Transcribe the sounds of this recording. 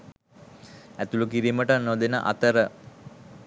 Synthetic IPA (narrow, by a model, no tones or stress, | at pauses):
æt̪ulukiɾiːməʈənod̪enə̰ʔa̰t̪əɾə